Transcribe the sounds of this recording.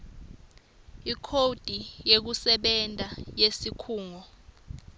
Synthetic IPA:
ikʰod̥ʱijek̬usɛɓɛntʼajesikʰuːŋɔ

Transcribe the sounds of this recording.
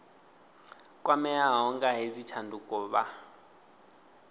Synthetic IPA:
kʼwamɛaɦɔŋkʼaɦezitʰandʱukʼɔːɓa

